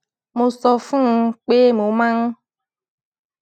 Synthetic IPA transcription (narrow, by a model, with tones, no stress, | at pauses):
mo˧sɔ˧fũ˦˧k͡pe˦mo˨˦mã˦ŋ˦